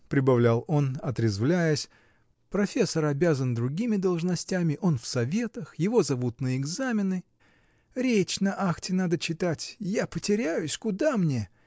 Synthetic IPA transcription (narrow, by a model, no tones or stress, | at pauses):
pɾʲɪbɐvlʲælˠo̞nɐt̪ɾʲɪzvlʲæjəsʲ | pɾɐfʲe̞sːəɾɐbʲazənd̪ɾʊɡʲimʲɪd̪əlˠʐnɐsʲtʲæmʲɪʔo̞nfsɐvʲe̞t̪əxjɪvo̞zɐvut̪nəɪɡzamʲɪnɨ | ɾʲet͡ɕnɐʔaxtʲɪnad̪ət͡ɕɪt̪atʲjapətʲɪɾʲæjʊsʲkʊd̪amnʲe̞